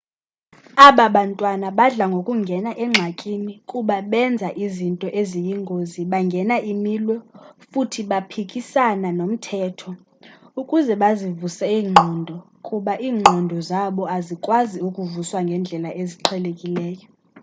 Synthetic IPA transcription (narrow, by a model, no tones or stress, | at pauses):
aɓaɓantʼwanaɓaɮaŋɡʱokʼuŋɡʱɛnaʔɛŋ͡ǁʱakʼinikʼuɓaɓɛnd͡zʱaʔizintʼɔʔezijiŋɡʱoziɓaŋɡʱɛnaʔimilwɛfutʰiɓapʰikʼisananom̩tʰɛːtʰɔ | ukʼuzɛɓazivusɛiːŋ͡ǃʱɔːndʱɔ | kʼuɓaʔiːŋ͡ǃʱɔndʱɔzaɓɔazikʼwaziukʼuvuswaŋɡʱɛnd͡ɮʱɛlaʔeziǃʰɛlekʼilɛːjɔ